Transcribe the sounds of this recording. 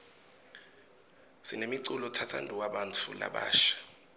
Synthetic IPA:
sinemiǀulɔtʰatʰa̰ntʼuwaɓantʰula̰ɓa̰ːʃḁ

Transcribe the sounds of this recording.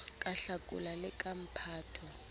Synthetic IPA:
kʼaɬakʼṵlalɪkʼam̩pʰaːtʰɔ

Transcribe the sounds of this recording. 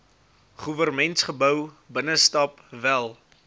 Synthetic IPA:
χuvərmɛntsχəbəw | bənəstɐp | vælˠ

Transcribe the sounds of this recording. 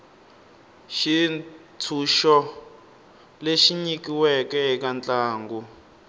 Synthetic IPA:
ʃi | tʰuʃɔ | leʃiɲikiwɛkɛɦikant͡ɬʼaːŋɡu

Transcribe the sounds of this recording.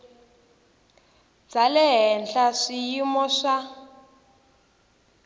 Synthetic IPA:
d͡zalɛɦɛnɬaʂijimɔʂa

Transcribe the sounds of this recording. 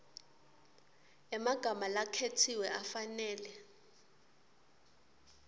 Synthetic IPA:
ɛmaɡ̥ʱamalakʰetʰiwɛʔafanɛːlɛ

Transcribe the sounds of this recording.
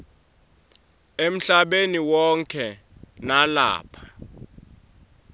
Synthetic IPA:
em̩ɬaɓeniwɔŋkʰɛ | nala̰ːpʰḁ

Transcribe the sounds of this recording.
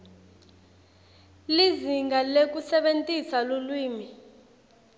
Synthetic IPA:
liziŋɡalek̬usɛɓentʼisalulwiːmi

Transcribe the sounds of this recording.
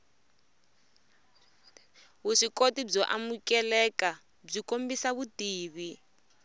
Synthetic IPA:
βuʂikotib͡ʐɔʔa̰mukɛlɛka | b͡ʐikombisaβutiːβi

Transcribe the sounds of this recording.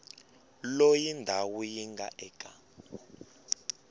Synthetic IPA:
lojindʱawujiŋɡʱaʔɛkʼa

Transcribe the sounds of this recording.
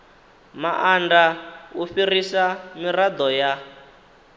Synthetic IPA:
maʔandaufirisamirad̪ɔja

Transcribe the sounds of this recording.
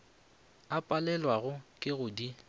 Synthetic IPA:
apʼalɛlwaɣʊkʼɪɣʊdi

